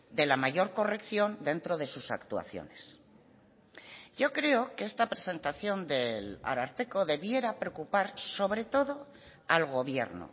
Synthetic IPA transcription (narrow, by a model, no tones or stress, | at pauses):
d̪e̞lamaʝo̞ɾko̞re̞kθjo̞nd̪e̞nt̪ɾo̞ð̞e̞susakt̪ua̰θjo̞̰ne̞s | ɟ͡ʝo̞kɾe̞o̞keest̪apɾese̞nt̪aθjo̞nd̪e̞la̰ɾaɾt̪e̞ko̞ðe̞βje̞ɾapɾeokupaɾso̞βɾe̞t̪o̞ðo̞ | alɣo̞β̞je̞̰ɾno̰